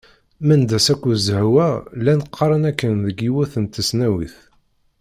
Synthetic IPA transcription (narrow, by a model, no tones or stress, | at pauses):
mænd̪æsækʷːuzhwælænəqʰːɾˤənækːənðəɡiwæθənt̪ːəsnæwḭθ